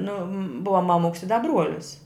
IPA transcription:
ˈnʊ ˈbʊʋɐ mɐˈmʊks ɪ dɐ ˈbruɔlʲɪs

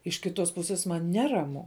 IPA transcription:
ɪʃ kʲɪˈtoːs pʊˈsʲeːs mɐn ˈnʲæːrɐmʊ

